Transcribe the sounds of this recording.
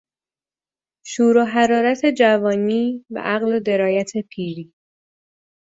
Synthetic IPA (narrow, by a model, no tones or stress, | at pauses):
ʃuːɾoɦæɾɒːɾæt̪ʰe̞d͡ʒævɒːniːbæ̰ʔæɣlod̪e̞ɾɒːjæt̪ʰe̞pʰiːɾiː